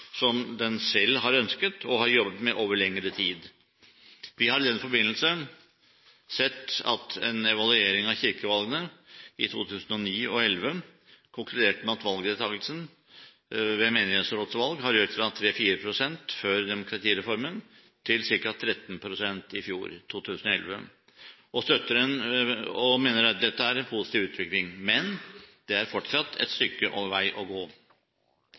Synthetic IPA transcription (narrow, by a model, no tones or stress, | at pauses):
sɔmd̪ɛnsɛlːɦɑɾœnskət̪ʰɔɦɑɾjɔbːət̪mɛʔoːʋəɭɛŋːəɾət̪ʰiːd̪ | ʋɪhɑɾɪd̪ɛnfɔɾbɪnːəlsən | sɛt̪ːɑ̰t̪ɛ̰nɛʋɑlʉeːɾɪŋɑʋçɪɾkəʋɑlɡənəɪt̪ʰuːt̪ʰʉːsən̩ɔniːɔɛlʋə | kʰʊŋkʰlʉd̪eːʈmɛɑt̪ʋɑlɡd̪eːt̪ʰɑːɡəlsən | ʋɛmeːnɪheːt̪sɾoːt̪sʋɑlɡhɑɾjøːt̪ɾɑt̪ʰɾeːfiːɾəpʰɾʊsɛnt̪fœɾd̪ɛmʊkʰɾɑt̪ʰiːɾɛfɔɾmən | t̪ʰɪlsɪɾkɑt̪ʰɾɛt̪ːn̩pʰɾʊsɛnt̪ɪfjṵːɾt̪ʰuːt̪ʰʉːsnɔɛ̰lʋə̰ | ɔst̪œt̪ːəɾənɔmeːnəɾɑt̪̚d̪ɛt̪ːəæɾɛnpʰʊsɪ̥t̪iːʋʉːt̪ʋɪklɪŋmɛnd̪̥ɛæɾfɔʈʂɑt̪ʰːɛ̰t̪st̪ʏkːəʔoːʋʋæɪʔɔɡoː